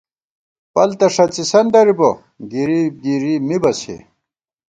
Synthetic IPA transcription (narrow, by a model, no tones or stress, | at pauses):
pɐlt̪ɐʂɐt͡sisɐnd̪ɐɾibo | ɡiɾiɡiɾimibɐsḛ